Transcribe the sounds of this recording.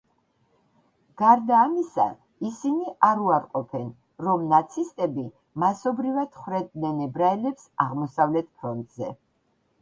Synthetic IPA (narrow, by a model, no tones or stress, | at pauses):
ɡ̥aɾd̪aːmisa̰ | isiniʔaɾuaɾqʼɔpʰɛn | ɾɔmnat̪sʰist̪ʼɛbi | masɔbɾivad̪̥χwɾɛd̪nɛnɛbɾaɛlɛpsaʁmɔsavlɛt̪̚ʰpʰɾɔnt̪ʼzɛ